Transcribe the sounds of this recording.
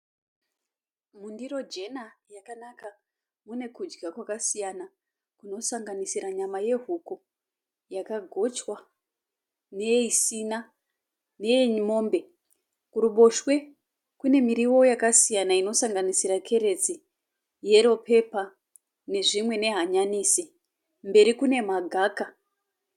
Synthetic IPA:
mundiro̞d͡ʒe̞najakanaka | mune̞kud͡ʒɡakwakasijana | kuno̞saŋɡanisiɾaɲamaje̞ɦuku | jakaɡʱo̞t͡ʃwa | ne̞isina | ne̞ɲimo̞ːmbe̞ | kuɾuɓo̞ʃwe̞ | kune̞miɾiwo̞jakasijanaino̞saŋɡanisiɾakʰe̞ɾe̞d͡zi | je̞ɾo̞pʰe̞pa | ne̞ʐimwe̞ne̞ɦaɲaniːsi | mbe̞ɾikune̞maɡʱaːka

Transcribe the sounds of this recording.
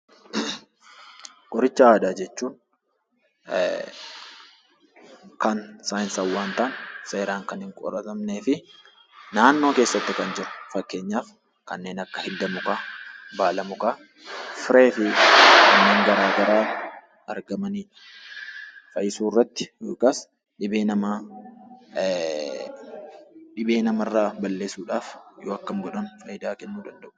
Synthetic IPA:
kʼɔɾɪt͡ʃːɐaːdaːd͡ʒɛt͡ʃːuːn | kɐnsaːjɪnsɐwːaːnt̪aːnse̞ːɾaːŋkɐnhɪŋkʼɔ̰ɾɐt̪ɐmne̞ːfɪ | naːnːo̞ːke̞ːsːɐt̪ːɪkɐnd͡ʒɪɾɐ̥fɐkːe̞ːɲːaːf | kɐ̰nːe̞ːnɐkːɐhɪld̪ɐmʊkaːbaːlɐmʊkaː | fɪɾe̞ːfɪkɐkɐnːeːŋɡɐɾaːɡɐɾaː | ɐɾɡɐmɐniːᶑɐ̥ | fɐjɪsuːrːɐt̪ːɪ̥joːkɐs | ᶑɪbeːnɐma | ᶑɪbe̞ːnɐmɐrːaːbɐlːe̞ːsuːᶑaːfjoːɐkːɐmɡɔᶑɐnfɐjɪd̪aːkɛnːuːd̪ɐnd̪ɐʔʊ̥

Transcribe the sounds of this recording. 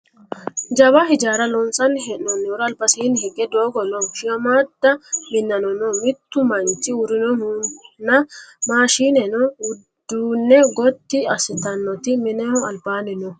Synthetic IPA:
d͡ʒɐβɐɦɪd͡ʒaːɾɐlɔnsɐnɦɛnɔnːɛɔɾɐːlbɐsiːnhɛɡɛd̪oːɡɔnɔʃɪɐmaːd̪ːɐmɪnːɐnɔnɔmɪt̪ːʊmɐnt͡ʃːɪʊɾɪnɔnunːɐmaːʃiːnɛnɔʊd̪̥ːuːnːɛɡɔt̪ːɪɐsɪt̪ɐnːɔt̪ɪmɪnɛhɔɐlbaːnɛnɔ

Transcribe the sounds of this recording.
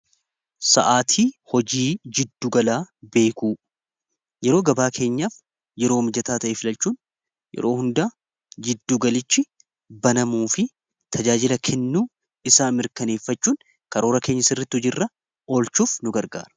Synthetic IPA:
sɐ̰ʔaːt̪ʰiːhɔd͡ʒiːd͡ʒɪd̪ːuɡɐlaːbe̞ːkuː | jɛɾo̞ːɡɐbaːkʰe̞ːɲːaːf | jɛɾo̞ːmɪd͡ʒɐt̪aːt̪ɐʔeːfɪlɐlt͡ʃːuːn | jɛ̰ɾo̞̰ːhʊnd̪aː | d͡ʒɪd̪ːuːɡɐlɪt͡ʃːɪ | bɐnɐmuːfɪ | t̪ʰɐd͡ʒaːd͡ʒɪlɐkʰɛnːuː | ɪsaːmɪɾkɐne̞ːfːɐt͡ʃːuːn | kɐɾo̞ːɾɐke̞ːɲːɐsɪrːɐt̪ːɪhɔd͡ʒɪrːɐ | o̞ːlt͡ʃːuːfnʊɡɐɾɡa̰ːɾɐ̥

